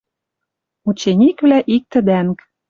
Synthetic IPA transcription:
ut͡ɕenʲikβlæʔik̚t̪ə̆d̪æŋk

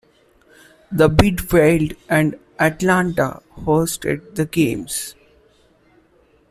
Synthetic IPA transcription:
d̪əbɪɖfeɪlɖɛ̃ɳɖ | æʈlãːɳʈa̰hoːsʈḛɖ̚d̪əɡẽːms

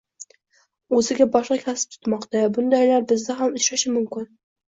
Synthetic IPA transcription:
ɵzɪɡʲabɒʃqɑkʲʰasɪ̥p̚t̪ʰʊ̥t̪mɒqt̪abʊnd̪ajlaɾbɪzd̪aɦamʊt͡ʃɾaʃɪmʊmkʲɪn

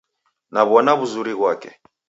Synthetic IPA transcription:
naβɔnaβuzuɾiβwakɛ

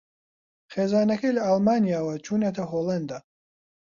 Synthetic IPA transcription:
xeːzaːnɐkɐjlɐalmaːnijaːwɐt͡ʃʰuːnet̪ʰɐɦoːlɐnd̪a

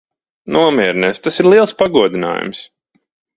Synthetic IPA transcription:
nuɔmʲiɛɾnɛst̪asiɾlˠiɛlˠspaɡuɔd̪ina̰ːjṵms

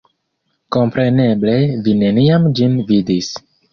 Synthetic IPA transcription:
ko̞mpɾe̞ne̞ble̞vine̞niamd͡ʒinvidis

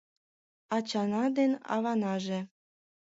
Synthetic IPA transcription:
ɑt͡ɕɑnɑd̪enɑ̰βɑnɑʒĕ

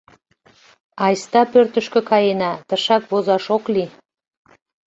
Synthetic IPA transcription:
ɑjst̪ɑpørt̪əʃkø̆kɑjenɑt̪əʃɑkβozɑʃokli

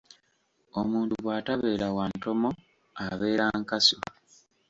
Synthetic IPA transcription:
omuːntuβwaːtaβeːɾawaːnto̞mo | aβe̞ːɾaŋkaso

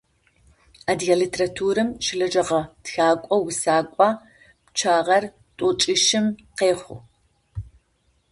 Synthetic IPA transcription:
aːdjalitʰerɐtʰuːɾɨmʃɪɮɐd͡ʒɐʁɐtxaːkʷʼɔwʊsaːkʷʼɑː | pt͡ʃʰaːʁɐr | tʼʊt͡ʃʼɪʃɪmqeːχʷʊ̰

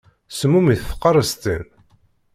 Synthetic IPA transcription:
səmːumiθfə̥qːɑɾˤəst̪ən

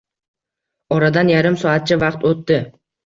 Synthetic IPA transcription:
ɒɾad̪anjaɾɪmsɒat̪̚t͡ʃʰɪvaqt̪ot̪ːɪ

